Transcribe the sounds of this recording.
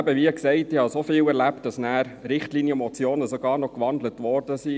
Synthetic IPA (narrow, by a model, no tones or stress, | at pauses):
æbəʋiəksɛɪtɪhɑsofiːwɛɾlæp̚t̚d̥ɑsnæːɾɾɪχtliːnjəəmɔt͡sjoːnəsɔɡɑːɾnɔkʋɑndlətʋɔɾd̥əsi